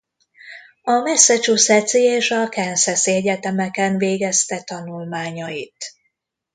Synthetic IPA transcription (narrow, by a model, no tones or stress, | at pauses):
ɒmɛsːɛt͡ʃusɛt̪sieːʃɒkɛnsɛsɛɟɛt̪ɛmɛkɛnveːɡɛst̪ɛt̪ɒnulmaːɲɒjit̪